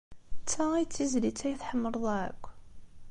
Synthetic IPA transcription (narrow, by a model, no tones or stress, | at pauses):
t͡sːæit͡sːizlit͡sːæjθħəmːəɾˤðˤæʕə̰kʷː